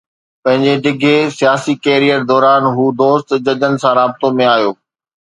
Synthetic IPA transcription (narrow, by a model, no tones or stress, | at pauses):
pɐ̃ɦɪ̃ɲd͡ʑeɖɪɡʱesijaːsikeːɾijəɾd̪ɔːɾaːnɦuːd̪oːst̪d͡ʑɐd͡ʑənɪ̆sãɾaːbɪt̪omẽaːjoː